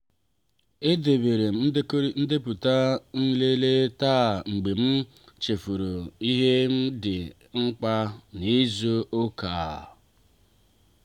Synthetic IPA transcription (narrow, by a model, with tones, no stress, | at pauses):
e˦de˨be˨ɾe˨˦n̩˦dɪ˦pʊ˨ta˦n̩˦le˦le˦ta˦˨ŋ͡m̩˨ɡ͡be˨m̩˦ | t͡ʃe˨fu˨ɾo˨i˦ɦe˦m̩˦dɪ˨ | ŋ͡m̩˦k͡pa˦ni˦zo˦ʔo˦kaː˨